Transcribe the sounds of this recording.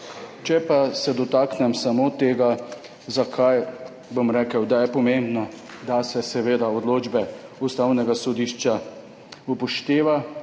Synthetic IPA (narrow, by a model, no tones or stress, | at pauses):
t͡ʃɛpasɛd̪ɔt̪aːknɛmsamot̪eːɡa | zakʰaj | bomɾɛːkəwd̪ajɛpɔmembnɔd̪asɛsɛʋeːd̪aɔd̪loːd͡ʒbɛust̪awnɛɡasɔd̪iʃt͡ʃa | upɔʃt̪eːʋa